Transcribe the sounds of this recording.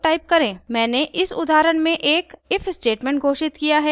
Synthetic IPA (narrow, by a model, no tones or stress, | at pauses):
ʈaːɪp̚kɐɾẽːmɛ̃ːneʔɪsʊ̰d̪aːɾəɽmẽʔeːkɪfsʈeːʈmɛ̃ːɳʈ̚ɡʱoːʃɪt̪kijaɦɛː